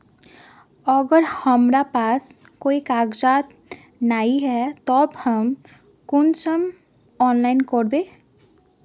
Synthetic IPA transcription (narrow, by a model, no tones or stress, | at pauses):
əɡəɾhəmɾapaːs | koːikaɡd͡ʒat̪ | naːiɦɛt̪ɔbhəm | kʊnt͡ʃəm | ɔːnlaɪnkɔɾbẽ